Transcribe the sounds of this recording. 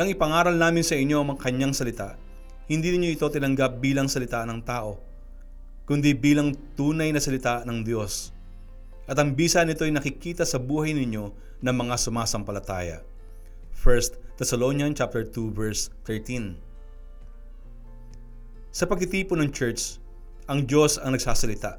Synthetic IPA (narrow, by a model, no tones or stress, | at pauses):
ʔɐŋɪpɐŋaːɾɐlnaːmɪnsɐʔɪɲːo̞ʔɐŋmɐŋakɐɲːaŋsɐlɪt̪aʔ | hɪnd̪iːnɪɲo̞ʔɪt̪o̞t̪ɪnɐŋɡap̚biːlɐŋsɐlɪt̪anɐŋt̪aːʔo̞ | kʊnd̪ibiːlɐŋt̪uːnɐjnɐsɐlɪt̪anɐŋd̪jo̞s | ʔɐt̪ɐŋbiːsɐnɪt̪o̞jnɐkɪkiːt̪ɐsɐbuːhɐjnɪɲːo̞ | nɐŋmɐŋasʊmaːsɐmpɐlɐt̪a̰ːjɐ̰ | fɛɹst̪t̪ːɛsɐlonjɐnt͡ʃap̚t̪ɛɹt̪uvɛɹst̪ɛɹt̪in | sɐpɐɡ̚k̪ɪt̪iːponɐŋt͡ʃɛɹt͡ʃ | ʔɐŋd̪jo̞sɐŋnɐɡ̚saːsɐlɪt̪aʔ